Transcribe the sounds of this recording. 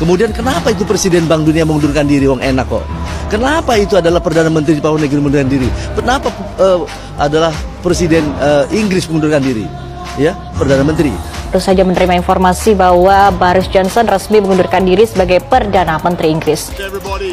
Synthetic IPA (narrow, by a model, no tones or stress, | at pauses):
kəmudiankənapait̪̬upɾesidɛnbaŋduniaməŋundurkandiɾiwaŋenakɔ̰ʔkənapait̪uadalahpərdanamənt̪ɾid͡ʒpaɔnakinimundurkandiɾikənapaə | ʔadalahpɾesidɛnəiŋɡɾɪsməŋundurkandiɾḭ | ja | pərdanamənt̪ɾit̪əɾusad͡ʒamənəɾimainfɔrmasibaɦwabaɾɪsd͡ʒɔnsɔnrəsmiməŋundurkandiɾisəbaɡajpərdanamənt̪ɾiːŋɡɾɪs